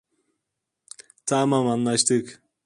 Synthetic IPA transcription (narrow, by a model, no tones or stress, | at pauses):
t̪ʰamɑmɑnlˠɑʃt̪ɯk